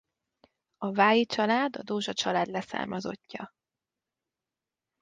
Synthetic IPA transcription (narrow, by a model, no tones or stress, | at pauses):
ɒvaːjit͡ʃɒlaːd̪ɒ̰d̪oːʒɒt͡ʃɒlaːd̪lɛsa̰ːrmɒzo̞̰cːɒ